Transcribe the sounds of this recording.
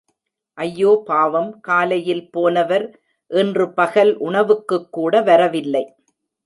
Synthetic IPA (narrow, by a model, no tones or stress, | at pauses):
ʔɐjːoːpaːʋɐmkaːlɐjɪlpoːnɐʋɐɾ | ʔɛndrɯpɐɣɐlʔʊɳɐʋɯkːɯkːuːɽɐʋɐɾɐʋɪlːɐɪ